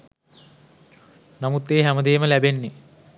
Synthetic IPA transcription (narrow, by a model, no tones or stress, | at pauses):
nɐmut̪ːeːɦɐmɐd̪eːmɐlɐbenːe